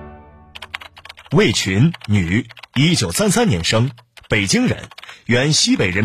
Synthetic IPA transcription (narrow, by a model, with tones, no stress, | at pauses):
we˥˩ɪt͡ɕʰy˧˥nny˨˩˦i˥t͡ɕjo˨˩ʊsa˥nsa˥nnjɛ˧˥nʂɤ˥ŋpe˨˩ɪt͡ɕi˥ŋɻə̰˧˥nɥɛ˧˥nɕi˥pe˨˩ɪɻə˧˥